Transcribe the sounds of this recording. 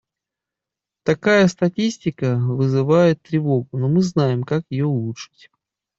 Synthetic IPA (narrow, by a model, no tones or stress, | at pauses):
t̪ɐkajəst̪ɐtʲisʲtʲɪkəvɨzɨvajɪt̪ːɾʲɪvo̞ɡʊnomɨznajɪmkakjɪjoʊlˠutʂɨ̥tʲ